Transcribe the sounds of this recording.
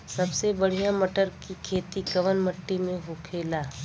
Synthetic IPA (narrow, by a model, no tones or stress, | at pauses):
sɐbsebɐɽ̤ijamɐʈəɾkikʰeːt̪ikɐʋənmɐʈːimẽɦokʰeːlaː